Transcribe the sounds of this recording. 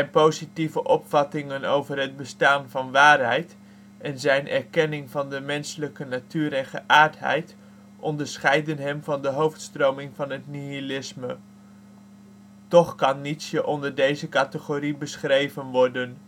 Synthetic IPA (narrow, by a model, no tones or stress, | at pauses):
ɛjnpowzitivəʔɔpfɑtɪŋənowvərɦəd̚bəstaːnvɑnʋaːrɦɛjt | ɛnzɛjnɛɹkɛnɪŋvɑndəmɛnsələkənatyːɾɛnχəʔaːɹtɦɛ̰jt | ʔɔndəɹsχɛjdənɦɛmvɑndəɦowftstrowmɪŋvɑnɦətniilɪsmə | tɔχkɑnːitsjəʔɔndəɹdejzəkatəχoːribəsχrejvənʋɔɹdən